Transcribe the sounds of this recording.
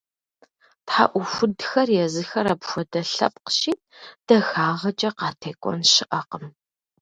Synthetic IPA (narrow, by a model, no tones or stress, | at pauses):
tħa̰ʔʷʊfʷʊdxɐrjɛzɨxɐɾɐpxʷɔdɐɬɐ̰p̚qə̥ʃiː | d̥ɐxaːʁɐt͡ʃʼɐqɑːtʰeːkʷʼɔ̰nɕɪʔɐqəm